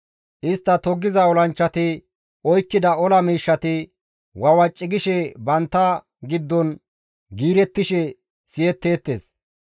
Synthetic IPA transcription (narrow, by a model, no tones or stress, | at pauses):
ʔɪst̪ːɐt̪ɔɡːɪzɐɔlɐnt͡ʃːɐt̪ɪ | ɔjkːɪd̪ɐɔlɐmiːʃːɐt̪ɪ | wɐwɐt͡ʃʼːɪɡɪʃɛbɐnt̪ːɐ | ɡɪd̪ːɔn | ɡiːɾɛt̪ːɪʃɛ | sɪjɛt̪ːe̞ːt̪ːeːs